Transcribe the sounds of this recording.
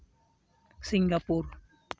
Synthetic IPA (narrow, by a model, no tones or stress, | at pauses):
siŋɡapʊr